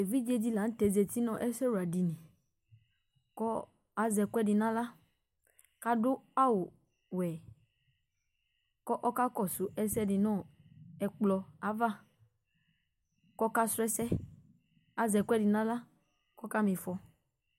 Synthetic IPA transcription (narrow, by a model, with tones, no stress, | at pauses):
e˨vi˦d͡ʒi˦e˧d͡ʒi˧la˨˦n̩˦tɛ˨ze˧ti˦nɔ̃˦ʔɛ˦sɛ˦wu˨a˨di˨nĩ˨ | kɔ˦ | a˨˦zɛ˧kʷɛ˦di˧nã˦la˦ | ka˦dʊ˦a˦wʊ˨ | wɛ˨ | kɔ˦ʔɔ˦ka˦kɔ˦˨sʊ˨˦ʔɛ˦sɛ˦di˧nɔ̃˦˨ɛ˧k͡plɔ˧a˨˦va˦˨ | kɔ˦ka˦sʊ˦ɛ˦sɛ˦ | a˨˦zɛ˧kʷɛ˦di˧˨nã˦la˦ | kɔ˦ka˦mĩ˧fɔ˧